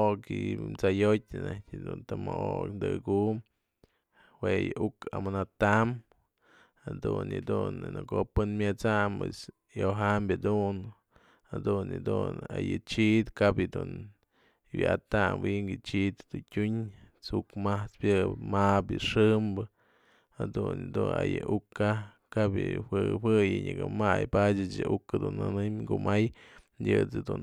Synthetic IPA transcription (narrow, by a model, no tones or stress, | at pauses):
okɨmt͡sajot̚ʲnatʲd̪unt̪amooknd̪ɨkum | hwejɨʔuka̰manat̪am | had̪unjɨd̪unnɨkopɨnmʲjɨt͡samwes | joɦambʲad̪un | had̪unjɨd̪una̰jɨt͡ʃiʔd̪kabjɨd̪un | wʲʔat̪amwiŋɡɨt͡ʃiʔt̪d̪utʲuɲ | t͡sukmaht͡spʲjɨmabjɨʂɨmbɨ | had̪unɨd̪unajɨʔukːa | kabjɨhɨwɨjɨɲɨkɨmajpadɨt͡ʃjɨʔukad̪unːɨnɨmɡumaj | jʲɨt͡sɨd̪u